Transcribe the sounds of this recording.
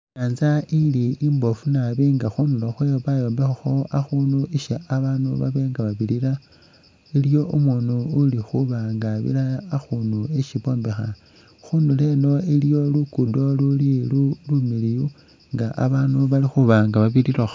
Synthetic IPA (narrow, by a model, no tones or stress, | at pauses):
aːnzailiimbo̞funaβiŋɡaxunuloxwejoβajo̞ːmbexaxo̞axuːnuʔiʃaaβaːnuβa̰βe̞ːŋɡaβaβiɾiɾa | iljo̞ʔumwunuːlixuβaŋɡaβḭlaːxunueʃiβo̞ːmbexa̰ | xunule̞no̞ilijo̞lukudo̞lulilulumiliju | ŋɡaʔa̰βaːnuβalixuβaːŋɡaβaβiɾirax